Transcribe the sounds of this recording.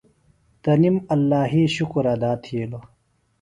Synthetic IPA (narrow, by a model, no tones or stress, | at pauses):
t̪ɐnimɐlːaːɦiɕukɾɐd̪aːt̪ʰielo